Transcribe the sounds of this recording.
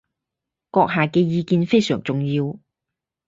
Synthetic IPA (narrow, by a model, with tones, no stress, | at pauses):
kɔː˧k̚ɦaː˨kɛː˧jiː˨˧kiː˧nfe˥jsœː˨˩ŋt͡sʊ˨ŋjiː˧w